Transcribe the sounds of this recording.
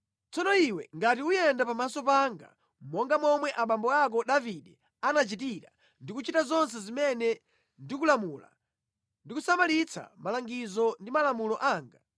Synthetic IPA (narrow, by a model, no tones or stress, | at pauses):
t͡sɔnɔiwɛ̰ŋɡatiujɛndapamasɔpaŋɡa̰ | mɔŋɡamɔmwɛʔaɓambɔak̬ɔɗaviɗɛ | anat͡ʃitiɾa̰ | ndikut͡ʃitazɔns̬ɛzimɛnɛ | ndik̬ulamula̰ | ndikusamalit͡sʰa̰malaŋɡizɔndimalamulɔʔaːŋɡa